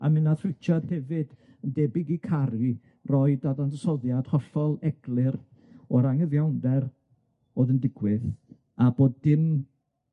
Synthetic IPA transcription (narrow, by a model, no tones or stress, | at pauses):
amɪnaθrɪt͡ʃʰad̥hɛvɨd̥ | əndɛbɪɡikʰaɾi | rɔɨdadandɔsɔðjad̥hɔfɔlˠɛɡ̥lˠɨr | ɔɾaŋəðjawndɛr | oːðəndɪɡwɪð | aboːdːɪn